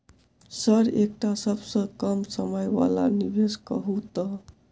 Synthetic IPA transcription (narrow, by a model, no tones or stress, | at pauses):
səɾek̚ʈasəbsə̃kəmsəməjʋa̰la̰nibeskə̰ɦut̪ə